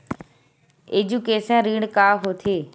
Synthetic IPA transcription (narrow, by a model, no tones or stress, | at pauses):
eːd͡ʑuːkeːsãːɾiːɽkaːɦoːt̪ʰeː